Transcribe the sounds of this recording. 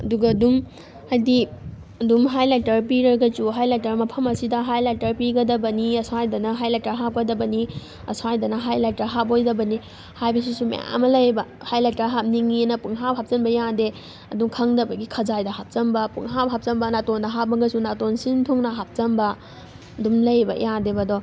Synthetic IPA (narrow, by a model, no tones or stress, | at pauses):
ɐduɡɐːdum | hajdi | ɐdumɦajlajtɐɾpiɾɐɾɡɐsuɦajlajtɐɾmɐpʰɐmɐsidɐɦajlatɐɾpiɡɐdɐbɐniɐsajdɐnɐɦajlataɦap̚kɐdɐbɐni | ɐ̰sajdɐnɐɦajlajtaɦap̚ojdɐbɐni | hajbɐs̬isumɐ̰ja̰mɐlɐjbɐ | hajlataɦap̚niŋinɐpuŋɦapɦap̚t͡ʃɐnbɐjade | ɐduŋkʰɐŋdɐbɐɡikʰɐzajdɐhap̚t͡ʃɐmbɐpṵŋɦapɦap̚t͡ʃɐmbɐnatondɐɦap̚mɐɡɐsunatonsintʰuŋnɐɦap̚t͡ʃɐmbɐ | dumlɐjbɐ̰jadebɐdɔ